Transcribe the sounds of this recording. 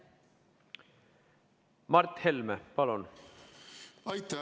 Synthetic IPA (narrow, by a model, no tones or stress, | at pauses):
mɑrt̪helmepɑlon | ɑjt̪ːa